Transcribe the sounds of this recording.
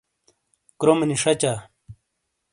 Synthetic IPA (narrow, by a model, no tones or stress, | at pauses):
kɾomɐniʂɐt͡ɕa